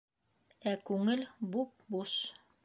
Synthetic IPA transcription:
ækʉŋɘlbup̚buʃ

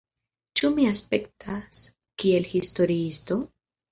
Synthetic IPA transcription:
t͡ʃumiaspe̞ktʰas | kie̞lhisto̞ɾiisto̞

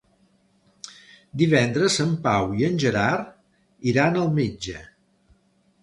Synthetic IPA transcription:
d̪iβɛnd̪ɾəzəmpawiənʲʒəɾar | iɾanəlˠmid͡ʒə

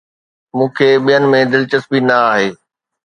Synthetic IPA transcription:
mũːkʰeːɓijənɪ̆mẽd̪ɪlt͡ɕəsbinɐaːɦeː

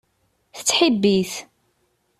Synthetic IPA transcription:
θət͡sːħibːiθ

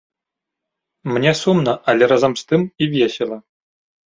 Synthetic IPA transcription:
mʲɘ̆nʲesumnɤʔalʲeɾɑzɑmst̪ɨmivʲjesʲelʲˠɘ̆

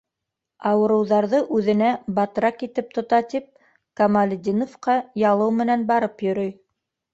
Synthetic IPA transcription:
ɑwɤ̆ɾɤ̆wðɑɾðɤʔʉðɘ̆næbɑt̪ɾɑkit̪ɘp̚t̪ŏt̪ɑt̪ip̚ | kɐmalʲd̪ʲinofqɑjɑlˠɤwmɘ̆nænbɑɾɤpjɵ̆ɾɵj

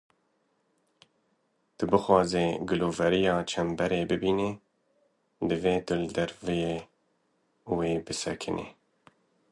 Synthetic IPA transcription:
t̪ɨbɨxwɑːzeːɡɨloːvɛɾijɑːt͡ʃʰɛmbɛɾeːbɨbiːne | d̪ɨveːt̪ɨld̪ɛɾvjeː | weːbɨsɛ̰kʰɨnʔḛː

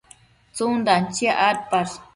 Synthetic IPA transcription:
t͡sund̪ant͡ʃiaʔaɾpaɾ

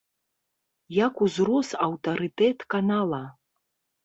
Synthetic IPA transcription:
jakuzrɔsɐwt̪ɐɾɨt̪ɛt̪kanalˠɐ

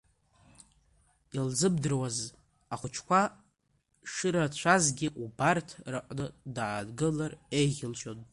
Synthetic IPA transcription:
ilzɨbdɨrwaz | aχʷʊt͡ʃʰkʷa | ʂɨɾat͡ɕʷʰazɡʲɪʔubartʰrɨqʼnɨdaːdɡɨlarejʁʲɪlʃonʼ

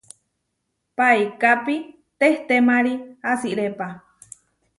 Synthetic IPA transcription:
paikapi | t̪eht̪emaɾiasiʔɾepa

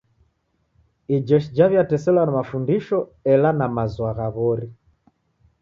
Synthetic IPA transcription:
id͡ʒɛʃid͡ʒaβjatɛsɛlwanamafundiʃɔɛlanamazwaɣaβɔɾi

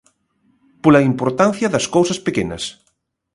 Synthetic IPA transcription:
polɐimpoɾt̪an̟θjɐðɐskowsɐspekenɐ̰s

